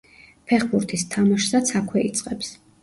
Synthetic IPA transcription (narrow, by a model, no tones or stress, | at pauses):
pʰɛχbuɾt̪ʰist̪ʰamaʃsat̪sʰakʰwɛit̪sʼqʼɛps